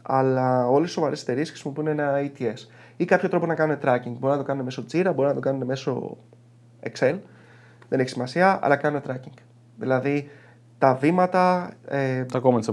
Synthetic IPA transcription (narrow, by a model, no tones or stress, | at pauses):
ɐ̰lɐo̞lessovɐɾee̞t̪eɾiesxɾisimo̞pune̞nɐit̪ie̞s | ikɐpço̞t̪ɾoponɐkɐnune̞t̪ɾɐciŋɡ̚bo̞ɾinɐt̪o̞kɐnune̞meso̞t͡siɾɐbo̞ɾinɐt̪o̞kɐnuneme̞so̞̰ | ekse̞l | ðe̞neçisimɐsiɐɐ̰lɐkɐnune̞t̪ɾɐciŋɡ | ðḭlɐði | t̪ɐvimɐt̪ɐet̪ɐkomens